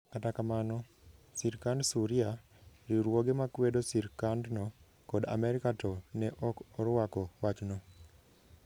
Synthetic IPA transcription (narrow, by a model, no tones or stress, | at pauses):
katakamanɔ | siɾkandsuɾia | ɾiɾwoɡemakwedosiɾkandnɔ | kɔda̰mɛɾikatɔnɛʔɔɔɾwakɔwat͡ʃnɔ